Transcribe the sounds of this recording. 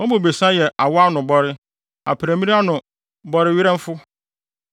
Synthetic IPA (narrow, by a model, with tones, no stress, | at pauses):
ɔ˦mʊ̃˨be˨sã˦jɛ˨ʔa˨wɔ˦a˦nʊ̃˨bɔ˦ɾɪ˦ | a̰˨pʰɪ˨ɾæ˨mĩ˦nĩ˦a˦nʊ̃˨ | bɔ˦ɾɪ˦ɥɪ˦ɾɛ̃˦m˦fʊ˦